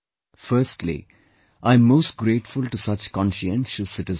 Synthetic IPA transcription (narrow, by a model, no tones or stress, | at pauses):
fəɾsʈlḭ | ʔãɪ̃mːoːsʈ̚ɡɾeːʈfʊlʈusʌt͡ʃkɔ̃nʃiɛ̃nʃəsːɪʈɪz